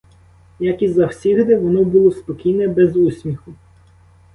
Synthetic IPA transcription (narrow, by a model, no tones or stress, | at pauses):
jɐkizɐwsʲiɣd̪ɛʋɔnɔbulˠɔspɔkʲijnɛbɛzusʲmʲixʊ